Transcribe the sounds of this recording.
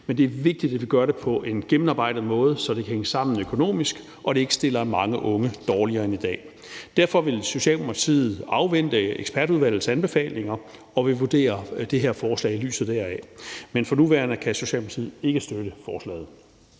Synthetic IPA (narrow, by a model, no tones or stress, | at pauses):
mend̥e̝æɐʋe̝ɡ̥̚d̥id̥æd̥ʋiɡ̥ɶɐɾe̝pʰɒ̽ʔe̝nɡ̥emn̩ɑ̈ːb̥ɑ̈ɪ̰dəð̩ˠmɔ̽ːð̞ˠsɒ̽d̥e̝kʰæheŋəsɑ̈m̰n̩økʰo̝no̝̰ːmisɡ̥ | ʔɒ̽ɾ̥e̝e̝ɡ̥sd̥e̝lɐmɑ̈ŋəʔɔ̽ŋəd̥ɒːliɐːenid̥ɛ̰ː | d̥æɐfɒ̽ʋe̝lso̝ɕɛ̰ːlmmʰɐt͡sʰḭːð̩ˠɑ̈ʊʋen̰d̥əeɡ̥sb̥æɐɾ̥uðˠʋæl̰ð̩ˠsænb̥e̝fɛ̰ːle̝ŋɐ | ɒ̽ʋe̝ʋud̥e̝̰ːɐd̥e̝ɦe̝ɐ̰fɒːslɛ̰ːɪily̰ːsð̩ˠd̥æɐæmenfɒ̽nuʋæɐnəkʰæso̝ɕɛ̰ːlmʰɐ̥t͡sʰiːð̩ˠe̝ɡ̥əsd̥øɾ̥əfɒːslɛ̰ːð̞̩ˠ